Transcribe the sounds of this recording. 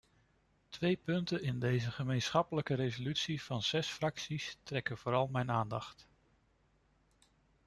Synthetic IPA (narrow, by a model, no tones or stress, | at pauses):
tʋejpɵntənɪndejzəχəmejnsχɑpələkəɾejzolytsiv̥ɑnz̥ɛsfrɑksistrɛkənv̥ʊːɾɑlˠmɛjnaːndɑχt